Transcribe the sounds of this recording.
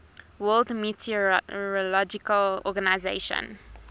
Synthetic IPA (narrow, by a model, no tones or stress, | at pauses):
wɜːldmjutʰiɹɔlɔd͡ʒɪkəlɔ̰ɡanaɪzeɪʃə̰̃n